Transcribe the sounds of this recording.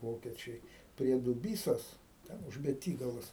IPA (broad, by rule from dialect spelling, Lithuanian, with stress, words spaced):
ˈʋoːkʲɛt͡ʃʲɛɪ pʲrʲiɛ dʊˈbʲiːsoːs ˈtʲɛn ʊʃ bʲɛˈtʲiːɡɐlˠoːs